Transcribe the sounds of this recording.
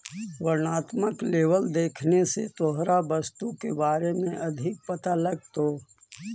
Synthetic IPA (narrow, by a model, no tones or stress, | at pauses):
ʋəɾnaːt̪məkleːʋəld̪eːkʰnesḛt̪oɦɾabɐst̪ukebaːɾemẽʔɐd̪ʱɪk̚pɐt̪alɐɡ̚t̪oː